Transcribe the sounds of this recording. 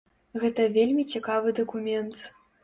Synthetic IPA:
ɣɛt̪ɐvʲelʲmʲit͡sʲikavɨd̪ɐkumʲɛnt̪

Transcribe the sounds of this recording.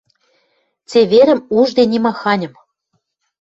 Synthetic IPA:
t͡seβeɾɘ̆muʒd̪enʲimɑxɑnʲɤ̆m

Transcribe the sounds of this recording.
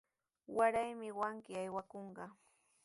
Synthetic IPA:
waɾajmɪwaŋkɪajwakoɴɢɑ

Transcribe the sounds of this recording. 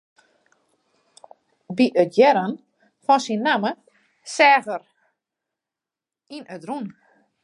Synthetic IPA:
biʔətjɛɾən | fɔnsinːamə | sɛːɣər | inədrun

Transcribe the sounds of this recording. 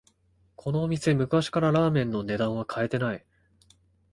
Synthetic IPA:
kʰo̞no̞ːmʲise̞mɯ̟kaɕi̥kaɾaɾaːmẽ̞nːo̞ne̞d̪ãɰ̃β̞akʰae̞t̪e̞nai

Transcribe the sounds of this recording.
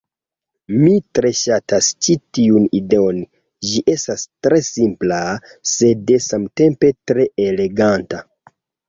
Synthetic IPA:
mitɾe̞ʃatast͡ʃitiunide̞on | d͡ʒiʔe̞stastɾe̞simpla | se̞de̞samte̞mpe̞tɾe̞ele̞ɡanta

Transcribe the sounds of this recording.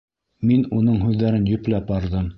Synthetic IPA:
minunɤɴɦʉðːæɾɘnjɵ̆plæpɑɾðɤm

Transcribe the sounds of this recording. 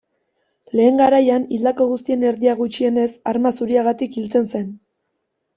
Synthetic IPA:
le̞ːŋɡaɾajanild̪ako̞ɣust̪ie̞ne̞ɾðiaɣ̞ut͡ʃie̞ne̞saɾmasuɾiaɣat̪ikilt͡se̞nse̞n

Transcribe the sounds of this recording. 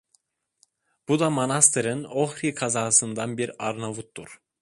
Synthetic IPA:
b̥ud̪amonast̪ʰɯɾɯnoxɾikʰazaːsɯnd̪anbiɾaɾnavut̪̚ːd̪uɾ̥

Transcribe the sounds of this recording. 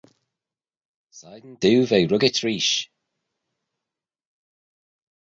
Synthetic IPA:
sajd̪n̩d̪ʉwvejɹʊɡɪtʰɹiːʃ

